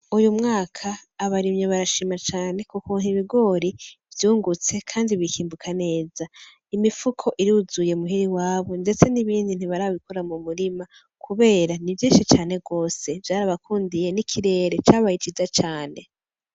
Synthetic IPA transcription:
ujumŋaːkʰaːβaɾimɲeβaɾaʃimat͡ʃaːne̞kukun̥iβiɡo̞ːɾivjuːŋɡut͡se̞kʰaːndiβikiːmbukʰane̞ːza | imifukʰo̞ʔiɾiuzuje̞muɦiɾiwaːβo̞nde̞t͡se̞niβiːndin̥hiβaɾaββikoɾamumuɾima | kʰuβe̞ːɾanivjiːʃit͡ʃaːne̞ɡo̞ːse̞vjaːɾaβakʰuːndije̞nikʰiɾe̞ːɾe̞t͡ʃaːβajit͡ʃizat͡ʃaːne̞

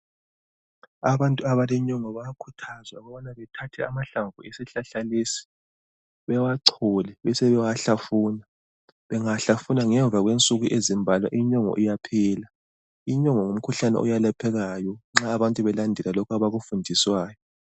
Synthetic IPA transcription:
aβantʼuaβalɛɲɔŋɔβajakʰutʰazwauɣɔβanaβɛtʰatʰɛamaɬaɱvʱuesɛɬaɬaleːsi̥ | βɛwaǀʰɔlɛβɛsɛβɛwaɬafuːna | βɛŋaɬafunaŋɛɱb̪vʱaɣwent͡sʼuɣuʔezimbʱalwa̰ʔiɲɔŋɔ̰ʔijapʰɛːla | iɲɔŋɔŋum̩kʰuɬanɛ̰ʔɔ̰jalapʰɛɣajɔŋ͡ǁaːβantʼuβɛlandʱɛlalɔkʰaβaɣufundʱiswaːjɔ

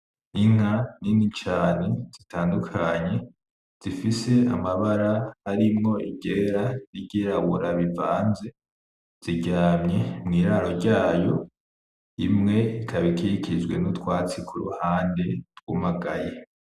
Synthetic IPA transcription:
iŋ̥haninit͡ʃaːne̞z̥itaːndukʰaɲe̞ | z̥ifise̞amaβaɾahaɾimŋo̞iɡeɾaɾiɟiɾaβuɾaβivaːnze̞ | z̥iɟaːmɲe̞mŋiːɾaːɾo̞ɾɟaːjo̞ | imŋe̞ikʰaβikiɾikʰid͡ʒɡwe̞̰nutwaːt͡sikʰuɾṵhaːnde̞ɾɡwumaɡa̰je

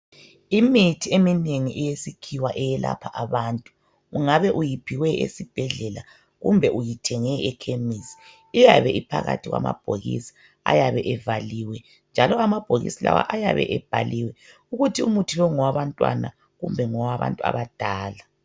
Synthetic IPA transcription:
imitʰiemineŋiʔɛjesikʰiwaʔɛjɛla̰pʰaʔaβantʼu̥ | uŋaβɛʔujipʰiwɛʔḛsib̥ʱɛɮɛla | ɣumbʱɛʔujitʰɛŋɛɛkʰemisi̥ː | jaβɛʔipʰaɣatʰiɣwama̰b̥ʱoɣḭsi̥ | a̰jaβɛʔɛvaliwɛ | nd͡ʒʱalɔamab̥ʱoɣḭsila̰wa̰ʔajaβɛ̰ʔɛb̥ʱaliwɛ | uɣutʰiumutʰiβɛŋɔwaβantʼwa̰na | ɣumbʱɛŋɔwaβa̰ntʼua̰βad̥ʱaːla

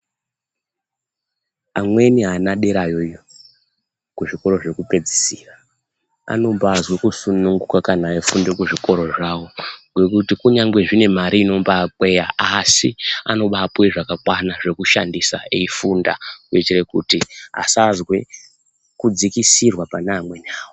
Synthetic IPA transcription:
amwe̞niɦanaɗe̞ɾajo̞ijo | kuʐiko̞ɾo̞ʐe̞kupe̞d͡zi̥siːra | a̰no̞mbazwekusunuŋɡukakanaːefundekuʐiko̞ɾo̞ʐawo̞ŋɡwe̞kutikuɲaŋɡe̞ʐine̞maɾiːno̞mbapwe̞jaasia̰no̞ɓapwe̞ʐakakwanaʐe̞kuʃa̰ndisa̰eifunda̰uet͡ʃire̞kṵtiɦa̰sazwe̞ | kud͡zikisirwapanaːmwe̞niaːwo

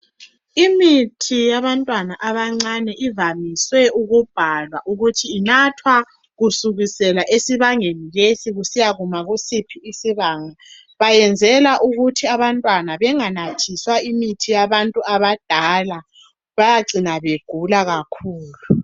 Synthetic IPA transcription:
imitʰijaβantʼwanaʔaβaŋ͡ǀanɛʔivamiswɛuɣub̥ʱalwaʔuɣutʰiːnatʰwa | ɣusuɣisɛlaʔesiβaŋenilesiɣusijaɣumaɣusipʰiːsiβaːŋa | βajɛnd͡zʱɛlaʔuɣutʰiaβantʼwanaβɛŋanatʰiswaimitʰijaβantʼuaβad̥ʱala | βajaǀʱinaβeɡ̥ʱulaɣakʰuːlu

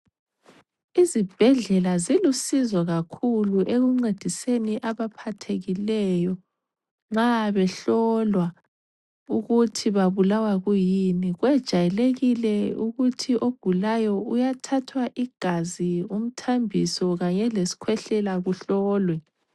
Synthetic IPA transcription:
izib̥ʱɛɮɛlazilusizwaɣakʰuluʔeɣuŋ͡ǀed̥ʱiseniʔaβapʰatʰeɣilɛjɔ | ŋ͡ǁaβɛɬɔlwa | uɣutʰiβaβulawaɣujiniɣwɛd̥ʒ̥ʱajɛleɣilɛuɣutʰiʔoɡ̥ʱulajɔujatʰatʰwaʔiɡ̥ʱazium̩tʰambʱisɔɣaɲɛlesi̥kʰwɛɬɛlaɣuɬɔːlwɛ

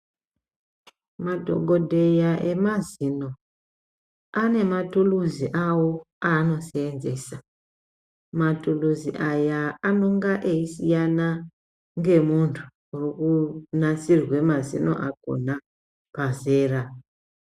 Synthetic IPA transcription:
madʱo̞̰ɡʱo̞dʱe̞jaʔe̞mazino̞ | ane̞matuluziʔawo | ano̞seːnze̞sa | matuluzḭʔajaano̞ŋɡaʔeisijana | ŋɡe̞muntʰu̥ | urikunat͡sirwe̞mazḭno̞̰ʔako̰na | paze̞ːra

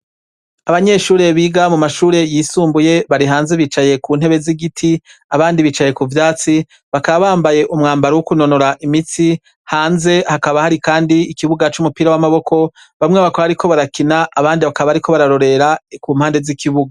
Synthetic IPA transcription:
aβaɲe̞ʃuːɾe̞βiːɡamumaʃuːɾe̞jisuːmbuje̞βaɾiɦaːnze̞βit͡ʃaje̞kun̥e̞βe̞ziɡitʰiaβaːndiβiːt͡ʃaje̞kuvjaːt͡si | βakaβaβaːmbaje̞ʔumŋaːmbaɾuwukuno̞no̞ɾaʔimit͡si | haːnze̞hakaβahaɾikaːndiːkiβuɡat͡ʃumupiːɾawamaβo̞kʰo̞ | βamŋeβakoaɾikʰo̞βaɾakinaʔːβaːndiβakaβaaɾikʰo̞βaɾaɾo̞ɾe̞ɾakuːmhaːnde̞zikiβuɡa

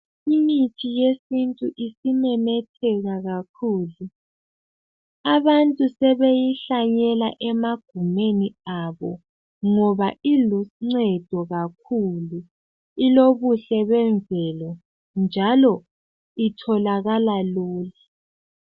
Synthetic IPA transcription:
imitʰijesintʼuʔisimɛmɛtʰɛɣaɣakʰuːlu | aβantʼusɛβejiɬaɲɛlaʔɛmaɡ̥ʱumeniaβɔ | ŋɔβaʔiluŋ͡ǀɛd̥ʱɔɣakʰulu | iloβuɬɛβɛnd͡zʱɛlɔ | nd͡ʒʱalɔ | itʰɔlaɣalaluːlɛ

